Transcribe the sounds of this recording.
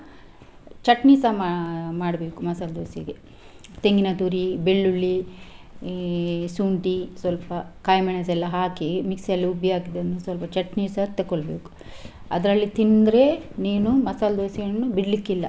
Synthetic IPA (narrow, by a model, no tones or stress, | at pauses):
t͡ʃɐʈniːsɐmamaːɽbe̞ːkumɐsaːld̪oːsiɡe | t̪eŋɡinɐt̪uːɾibeɭːuɭːi | suːɳʈisʋɐlpɐkaːjmɛɳɐs̬ɛlːɐɦaːkimiksɛlːiubiaːɡid̪ɐnːusʋɐlpɐt͡ʃɐʈniːsɐt̪ekːoɭbeːku̥ | ɐ̰d̪ɾɐlːit̪ind̪ɾe̞niːnumɐsaːld̪oːsiɡɐnːubiɽlikːilːɐ